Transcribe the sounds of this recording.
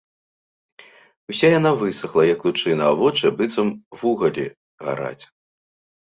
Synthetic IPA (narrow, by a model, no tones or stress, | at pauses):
usʲajan̪avɨsɐxlˠɐjɐklʲut͡ʂɨnɐavɔt͡ʂɨbɨt̪sɐmvuɣɐlʲḭ | ɣa̰ɾa̰t͡sʲ